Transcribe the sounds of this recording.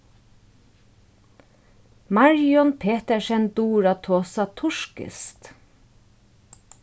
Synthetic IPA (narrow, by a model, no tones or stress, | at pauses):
mɑɹjɔnpʰeːt̪ɛʃɛnd̪uːɹat̪ʰoːsat̪ʰʊʂkɪ̰st̪